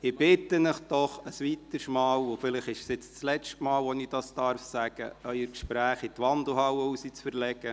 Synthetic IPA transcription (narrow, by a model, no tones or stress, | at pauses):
ɪb̥ɪt̪ənəχd̥ɔχəsʋit̪əsmɑːwofɪlɪχɪʃsɪt͡st͡slɛt͡ʃtmɑːlʋɔnid̥ɑsd̥̪ɑɾfsæɡ̥əʔœʏəɾkʃpɾæːχit̪ʋɑnd̪l̩ɦɑwəusit͡sfəɾlɛɡə